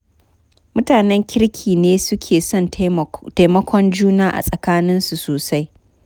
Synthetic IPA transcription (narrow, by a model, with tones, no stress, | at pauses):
mʊ˦taː˨nɛ˦ŋkʲɪ˦ɾkʲʰiː˨neː˦sʊ˦kʲʰeː˨sɔ˦˨nta˦jmɐ˦kʷʰɔ˦nd͡ʒuː˦naː˦ʔa̰˨sʼɐ˨kaː˦nɪ˦nsu˨soː˨sa˦j